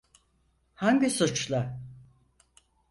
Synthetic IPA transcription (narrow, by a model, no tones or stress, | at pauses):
haɲɟisut͡ʃlˠa